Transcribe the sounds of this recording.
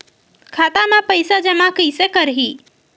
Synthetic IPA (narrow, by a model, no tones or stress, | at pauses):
kʰat̪amẽpəjsad͡ʒəmakəɪsekəɾɦi